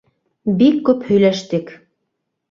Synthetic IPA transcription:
bikːʉphɵ̆jlæʃt̪ɘk

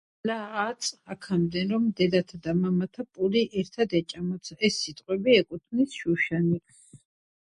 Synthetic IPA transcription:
laːt̪sʼakʰamd̪ɛnɾɔmd̪ɛd̪at̪ʰad̪amamat̪ʰapʼuliʔɛɾt̪ʰad̪ɛt͡ʃʼamɔt̪sʰɛsːit̪ʼqʼwɛbiɛkʼut̪ʰnisʃuʃani

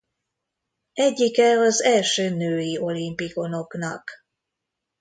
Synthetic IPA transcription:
ɛɟːikɛɒzɛlʃøːnøːjio̞limpiko̞no̞knɒk

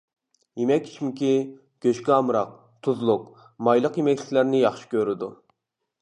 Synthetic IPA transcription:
jemɛkʲːʰi̥t͡ʃʰimɪkʲi | ɡ̥ʲøʃkʲɛɑmɾɑq̚ | t̪ʰuzlˠʊq | mɑjlˠəqjemɛkʲlɪkʲlæɾnɪjɑχʃi̥kʲʰøɾɪd̪u

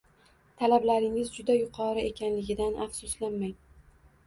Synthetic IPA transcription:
t̪ʰalablaɾɪŋɪzd͡ʒʊd̪ajʊqʰɒɾɨe̞kʲʰanlɪɡʲɪd̪anʔafsʊslanmaj

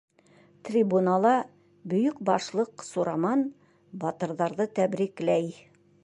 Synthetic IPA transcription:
t̪rʲibunalˠɑ | bɵ̆jɵkbɑʃlˠɤqsuɾɑmɑn | bɒt̪ɤ̆ɾðɑɾðɤt̪æbɾiklæj

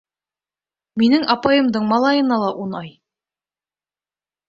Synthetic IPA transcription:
minɘŋʔɑpɑjɤ̆md̪ɤɴmɑlˠɑjɤ̆nɑlˠɑʔunɑj

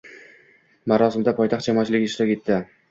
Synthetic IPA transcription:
maɾɒsɪmd̪apʰɒjt̪ʰɑχt̪̚d͡ʒamɒːt͡ʃʰɪlɪɡʲɪːʃt̪ɾɒkʲe̞t̪ʰːɪ

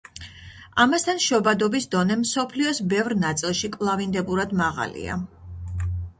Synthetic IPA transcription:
amast̪ʰanʃɔbad̪ɔbisd̪ɔnɛmsɔpʰliɔsbɛvɾnat̪sʼilˠʃikʼvlˠavind̪ɛbuɾad̪maʁa̰lḭa̰

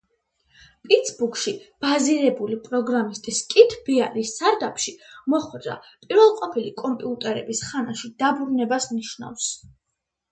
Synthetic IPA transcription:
pʼit̪sʰbukʰʃib̥aziɾɛbulipʼɾɔɡɾamist̪ʼiskʼit̪ʰbialisːaɾd̪apʰʃimɔχwɛd̪ɾa̰pʼiɾvɛlˠqʼɔpʰilikʼɔmpʼiut̪ʼɛɾɛbisχanaʃid̪̥abɾunɛbasniʃna̰fs

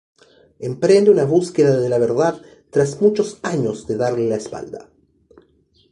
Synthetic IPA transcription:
empɾend̪eunaβuskeðaðelaβ̞eɾðað | t̪ɾazmut͡ʃosaɲozðeðaɾlelaespa̰ld̪a̰

